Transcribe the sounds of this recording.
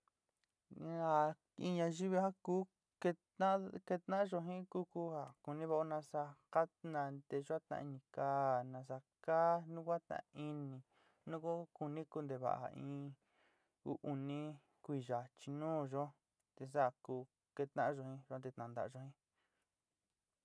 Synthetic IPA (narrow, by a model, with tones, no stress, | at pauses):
a˧ | ĩ˧ɲã˧ʒi˦βi˧˦ha˦ku˦ | ke˧t̪ã˦ke˧t̪nã˦ʒo˧ɦĩ˦ku˦ku˦ha˨ku˧nĩ˦βa˧o˦nã˧sa˧ka˦nã˧d̪e˧ʒo˦a˦t̪ã̰˧i˧nĩ˧kaː˦˧nã˧s̬a˧ | ka˦nũ˦kʷa˦t̪ã̰˧i˧nĩ˧ | nũ˦ku˦ku˧nĩ˦ku˧nd̪e˧βa̰˨ʔa̰˨ḭ̃˧ | ṵ˦ʔu˧nĩ˦ | kʷi˧˨ʒa˨t͡ʃi˧nũː˦ʒo˦ | t̪e˧s̬a˦˨kuː˧ | ke˧t̪ã̰˦ʔʒo˧hĩ˧õ˧t̪e˧t̪nã˨nd̪a̰˨ʔʒo˧hĩ˦